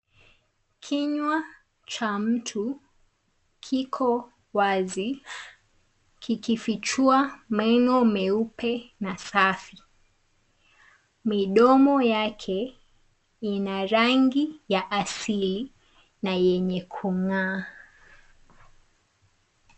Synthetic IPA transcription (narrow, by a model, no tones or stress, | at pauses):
kʰiɲwa | t͡ʃam̩tʰu | kʰikʰɔ | wazi | kʰikifit͡ʃuamɛŋɔmɛupɛnasafi | miɗɔmɔjakʰɛ | inaɾaŋɡijaʔasili | najɛɲɛkʰuŋa